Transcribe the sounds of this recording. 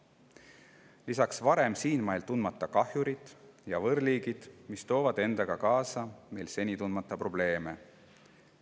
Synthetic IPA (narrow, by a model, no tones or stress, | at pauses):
lisɑksvɑɾe̞msiːnmɑjlt̪unmɑt̪ːˑɑkɑhjuɾid̪̥jɑvɤɾliːɡid̪̥mist̪o̞ːvɑd̪̥e̞nd̪̥ɑɡ̥ɑkɑːsɑmejlse̞nʲit̪unmɑt̪ˑːɑpro̞b̥le̞ːme̞̰